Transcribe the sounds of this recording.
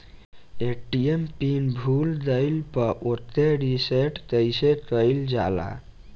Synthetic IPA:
eʈiempinbʱuld̪əɪlpəɾʔot̪ːeɾiseʈk̪əjsekəɪld͡ʒa̰la̰

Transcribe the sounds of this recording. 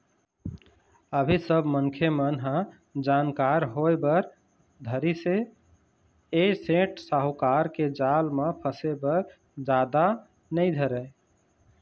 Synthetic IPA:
əbʱisəbʱmənkʰjemənɦə̃ | d͡ʒankaɾɦoebəɾ | d̪ʱəɾise | esẽʈsaɦukaɾked͡ʒalmẽpʰəsebəɾ | d͡ʒad̪a | nəjd̪ʱəɾə

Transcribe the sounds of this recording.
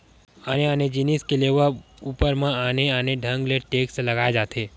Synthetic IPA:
aːneaːned͡ʒɪniskeleʋəuːpəɾmãaːneaːneɖʱə̃ŋɡleʈeːkslɐɡaːed͡ʒaːt̪ʰe

